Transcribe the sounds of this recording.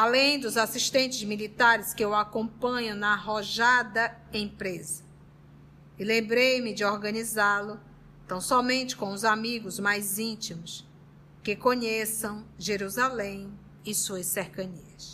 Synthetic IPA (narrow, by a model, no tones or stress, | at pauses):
alẽj̃d̪ʊzasiʃt̪ẽnt͡ʃɪzmilit̪aɾɪskɪʊakõpɐ̃ɲʊ̃nɐɦɔʒad̪ɐẽpɾezɐ | ɪlẽbɾejmɪd͡ʒɪɔɾɡɐ̃nizalʊ | t̪ɐ̃w̃sɔmẽnt͡ʃɪ̥kõw̃ʊzamiɡʊzmajzĩt͡ʃimʊs | kɪkõɲesɐ̃w̃ʒeɾuzalẽj̃ | ɪsuɐseɾkɐ̃ɲiɐs